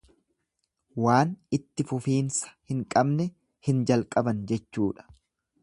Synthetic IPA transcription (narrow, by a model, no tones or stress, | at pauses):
waːnɪt̪ːɪfʊfiːnsɐ̥hɪŋkʼɐbnɛ | hɪnd͡ʒɐlkʼɐbɐnd͡ʒɛt͡ʃːuːᶑɐ̥